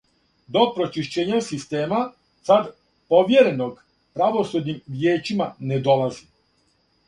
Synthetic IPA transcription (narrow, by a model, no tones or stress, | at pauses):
d̪opɾot͡ʃiʃt͡ɕeːɲasist̪eːma | sad̪ | poʋjeɾenoɡ | pɾaʋo̞sud̪ɲimʋjeːt͡ʃimaned̪o̞lazi